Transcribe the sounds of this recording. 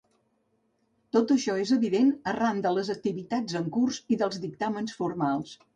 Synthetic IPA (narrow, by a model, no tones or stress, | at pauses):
t̪ot̪əʃɔezəβiðenərand̪ələzək̚t̪iβit̪ad͡zzəŋkurziðəlˠzðik̚t̪amənsfuɾmalˠs